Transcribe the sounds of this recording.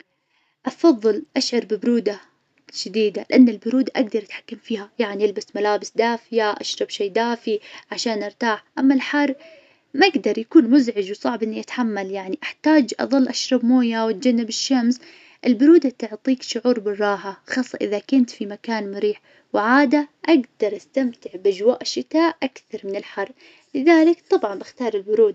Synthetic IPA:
ʔɑfɑðˤːɨlʔaʃʕɑɾˤbɪbɾuːd̪a | ʃad̪iːd̪alɪʔanːɪlbʊɾuːd̪aʔaɡd̪ɑɾˤʔat̪ħḁkːamfiːhajaʕnijɪlbasmalaːbɪsd̪aːfɪjaʔa̰ʃɾˤɑbʃeːd̪aːfiʕaʃaːnʔɪɾt̪aːħʔamːalħar | maɪɡd̪ɑɾˤjakuːnmʊzʕɪd͡ʒwsˤɑʕbʔɪnːiʔɪt̪ħamːaljaʕniʔaħt̪aːd͡ʒʔɑ̰ðˤɨlːʔaʃɾˤɑbmoːjawɪt̪̚d͡ʒanːɪbɪʃːams | ʔɪlbʊɾuːd̪at̪ʊʕt̪ˤiːkʃʊʕuːɾbɪrˤːɑːɦaxɑːsˤːɑʔɪðakʊnt̪fimakaːnmʊɾiːħ | wʕaːd̪aʔaɡd̪ɑɾˤʔast̪amt̪ɪʕbʔad͡ʒwaːʔɪʃːɪt̪aːʔʔakθɑɾˤmɪnɪlħɑrˤː | lɪðaːlɪkt̪ˤɑbʕɑnbɪxt̪ɑːɾˤɪlbʊɾuːd̪

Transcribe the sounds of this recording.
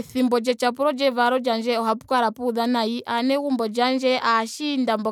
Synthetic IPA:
θimbɔd͡ʒɛt͡ʃap̬uɾɔd͡ʒɛvaɾɔd͡ʒand͡ʒɛɔɦapukaɾapuðanaiʔanɛɣumbɔd͡ʒand͡ʒɛʔaʃindambɔ

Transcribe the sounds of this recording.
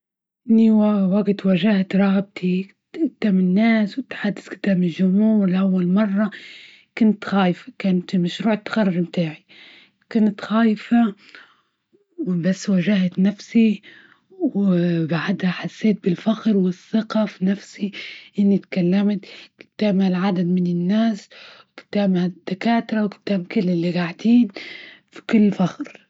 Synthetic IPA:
ʔɪnːiwaɡt̪waʒahat̪ɾˤɑɣb̚t̪ʰi | ʔɪd̪̥aːmɪnːaːswɪt̪ːħad̪ːɪskɪd̪ːaːmɪlʒʊmhuːɾlʔawːalmɑrˤːɑ | kʊnt̪xaːjfḁkaːnt̪maʃɾuːʕt̪ːḁxarˤːɑɾmt̪aːʕi | kʊnt̪xaːjfa | basːwaʒahat̪nafsi | wbaʕad̪haħasːeːt̪̚bɪlfaxɾwɪθːɪqɑfinafsiʔɪnːit̪kalːamat̪kɪ̥t̪ːaːmhalʕad̪ad̪mɪnɪnːaːswkɪ̥t̪ːaːbhad̪̥ːakaːt̪ɾˤɑwkɪ̥t̪ːaːbkɪlːɪlːiɡaʕd̪iːnfi̥kʊlːfaxɾ

